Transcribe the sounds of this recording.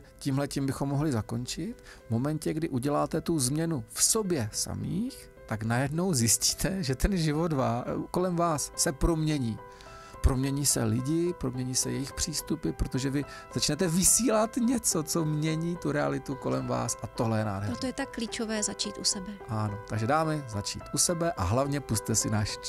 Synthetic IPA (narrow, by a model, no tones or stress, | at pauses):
ciːmɦlɛcimbɪxomːo̞ɦlɪzakont͡ʃɪt̪vmo̞mɛncɛɡdɪʔuɟɛlaːt̪ɛt̪uzmɲɛnufso̞bjɛsa̰mḭːx | t̪aknajɛdno̞wzjɪsci̥ːt̪ʰɛʒɛt̪ɛnʒɪvo̞dvako̞lɛmvaːsːɛpɾo̞mɲɛɲiː | pɾo̞mɲɛɲiːsɛ̰lɪɟɪpɾomɲɛɲiːsɛ̰jɛjɪxpr̝̥iːst̪upɪpɾot̪o̞ʒɛvɪ | z̥at͡ʃnɛt̪ɛvɪsiːlat̪ɲɛt͡sot͡so̞mɲɛɲiːt̪uɾɛa̰lɪt̪uko̞lɛmva̰ːsʔat̪o̞ɦlɛjɛna̰ːdɦɛɾot̪ojɛt̪akːliːt͡ʃovɛːzat͡ʃiːt̪ʔusɛbɛʔano̞t̪aɡʒɛdaːmɛzat͡ʃḭːt̪ʔusɛbɛʔa̰ɦlavɲɛpust̪ɛsɪnaːʃ